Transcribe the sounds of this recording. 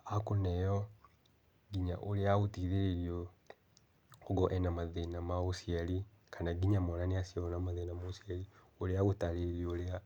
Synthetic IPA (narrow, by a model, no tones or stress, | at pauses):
akunejo | ɡiɲa̰ʔoleaɣutiðeɾeɾjo | oɡoʔɛnamaðenamaɣosjeli | kʰanaɡiɲamolaneasjaonamaðenamaosijeli | oleaɣutaleeɾiolea